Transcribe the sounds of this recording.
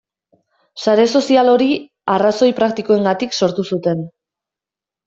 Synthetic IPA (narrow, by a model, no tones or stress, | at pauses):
saɾe̞so̞sialo̞ɾi | araso̞jpɾakt̪ikoe̞ŋɡat̪ikso̞ɾt̪usut̪e̞n